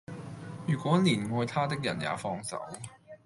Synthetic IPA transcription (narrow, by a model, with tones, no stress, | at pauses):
jyː˨˩kʷwɔː˨˥niː˨˩nŋɔː˧jt̪ʰaː˥t̪ɪ˥k̚jɐ˨˩nja̰ː˨˥fɔː˧˥ŋsɐ̰˨˥w